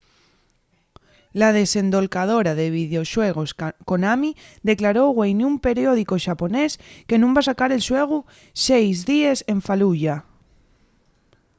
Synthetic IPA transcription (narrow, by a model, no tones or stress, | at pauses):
lað̞e̞se̞nd̪o̞lkað̞o̞ɾaðeβ̞ið̞eo̞ʃweɣ̞o̞sko̞namiðe̞klaɾoɣwejniumpe̞ɾjoðikoʃapo̞neske̞nũmbasakaɾe̞lsweɣ̞u | sejzðiese̞ɱfaluʎa